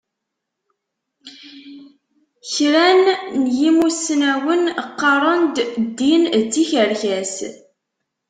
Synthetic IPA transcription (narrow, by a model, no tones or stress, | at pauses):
çɾænːjimusnæwənqːɑɾˤənd̪d̪ːindːiçəɾçæs